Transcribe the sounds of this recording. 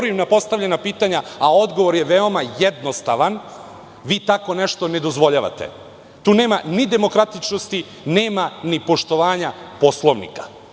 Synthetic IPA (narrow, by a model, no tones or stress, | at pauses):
ɾuimnapo̞st̪aʋʎenapiːt̪aɲaao̞d̪ɡo̞ʋo̞ɾjeʋeo̞majed̪nost̪aʋan | ʋiːt̪ako̞neʃt̪o̞ne̞d̪o̞zʋo̞ʎaʋa̰t̪ḛ | t̪uːneːmanid̪e̞mo̞kɾat̪it͡ʃnost̪i | neːmanipo̞ʃt̪o̞ʋaːɲapo̞slˠo̞ʋnḭkḁ